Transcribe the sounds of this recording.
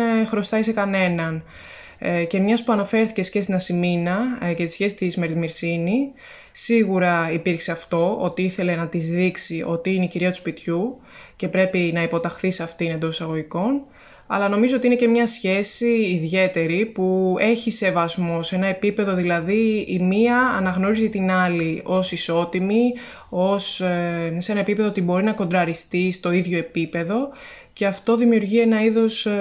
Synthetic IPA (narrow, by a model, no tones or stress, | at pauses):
xɾo̞st̪ɐise̞kɐne̞nɐn | ce̞mɲɐspuɐnɐfe̞ɾθice̞sçest̪nɐsiminɐcest̪i̥sçe̞si̥t̪isme̞ɾðimiɾsini | siɣuɾɐipiɾkse̞ɐft̪o̞o̞t̪iiθe̞le̞nɐt̪izðiksiʔo̞t̪iineiciɾiɐt̪u̥spit̪çu | ce̞pɾe̞pinɐipo̞t̪ɐxθisɐft̪ine̞nd̪o̞sisɐɣo̞ʝiko̞n | ɐ̰lɐno̞mizo̞ot̪ine̞ce̞mɲɐsçe̞siːðʝe̞t̪e̞ɾipue̞çise̞vɐzmo̞se̞nɐe̞pipe̞ðo̞ðilɐðiimiɐːnɐɣno̞ɾizit̪inɐlio̞siso̞t̪imi | o̞sse̞nɐe̞pipeðoot̪ibo̞ɾinɐko̞nd̪ɾɐɾist̪ist̪o̞iðʝo̞e̞pipe̞ðo̞ | ce̞ɐft̪o̞ðimiuɾʝie̞nɐiðo̞s